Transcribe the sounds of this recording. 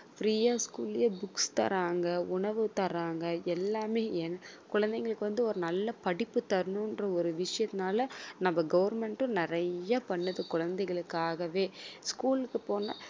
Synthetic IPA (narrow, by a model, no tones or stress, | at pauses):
fɾiːjaːskuːlɪjɐbʊkst̪ɐ̰ɾaːŋɡɐʊɳɐʋɯt̪ɐɾaːŋɡɐɛlːaːmeːɛnːkʊɻɐnd̪ɛŋɡɐɭɯkːɯʋɐnd̪ɯɔɾɯnɐlːɐpɐɽɪpːɯt̪ɐɾɯɳɯ̃nrɐɔɾɯʋɪʂɐjɐt̪ːɪnaːlɐnɐmːɐɡɐʋɐɾmɛɳʈɯ̃nɪɾɐjɐpɐɳːɐðɯkʊɻɐnd̪ɛɪɣɐɭɯkːaːɣɐʋeːskuːlɯkːɯpoːnɐ